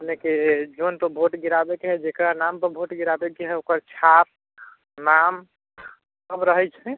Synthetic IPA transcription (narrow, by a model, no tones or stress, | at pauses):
əpneked͡ʒont̪obʱoʈɡiɾabekeɦɛd͡ʒekɾanampəɾbʱoʈɡiɾabekeɦɛokəɾt͡ʃʰap̚ | nam | səbɾəɦɛt͡ʃʰɛ